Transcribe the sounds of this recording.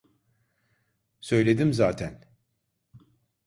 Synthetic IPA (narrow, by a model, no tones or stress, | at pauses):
sø̞jlʲe̞d̪imzaːt̪ʰæn